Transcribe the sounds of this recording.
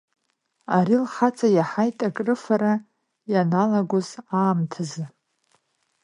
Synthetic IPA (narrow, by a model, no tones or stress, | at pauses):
aɾilχat͡sʼajaħajtʼakʼrɨfaɾa | janalaɡʷozaːmtʰazɨ